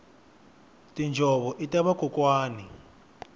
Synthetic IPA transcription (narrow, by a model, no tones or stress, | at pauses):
tʼind͡ʒʱɔɓɔʔitʼaβakukʼwaːni